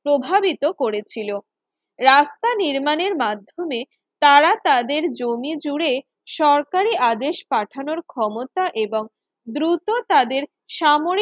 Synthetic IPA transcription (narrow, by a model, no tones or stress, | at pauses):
pɾobʱabit̪okoɾet͡ɕʰilo | ɾast̪aniɾmaneɾmad̪ʱːome | t̪aɾat̪ad̪eɾd͡ʑomid͡ʑuɽe | ʃɔɾkaɾiʔad̪eʃpaʈʰanoɾkʰɔmot̪aʔeboŋ | d̪ɾut̪ot̪ad̪eɾ | ʃamoɾ